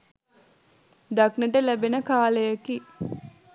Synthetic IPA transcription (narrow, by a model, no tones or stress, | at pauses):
d̪aknəʈəlæbenəkaːlejaki